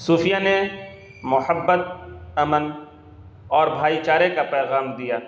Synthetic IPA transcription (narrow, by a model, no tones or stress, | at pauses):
suːfʰɪjane | mʊhəbːət̪̚ɐmən | ɔːɾbʱaːit͡ʃaːɾekapɛːɣaːmd̪ijaː